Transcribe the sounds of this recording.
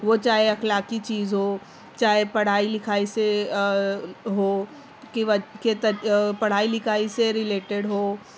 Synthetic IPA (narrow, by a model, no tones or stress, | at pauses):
ʋot͡ʃaːɦeɐxlaːkit͡ʃiːzɦoː | t͡ʃaːɦepɐɽ̤aːilɪkʰaːise | ɦoː | keʋɐket̪ɐpɐɽ̤aːilɪkʰaːiseɾɪleːʈeɽɦoː